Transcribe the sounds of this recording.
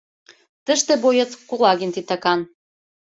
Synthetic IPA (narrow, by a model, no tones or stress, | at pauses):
t̪əʃt̪ĕbojɤt͡skulˠɑɣint̪it̪ɑkɑn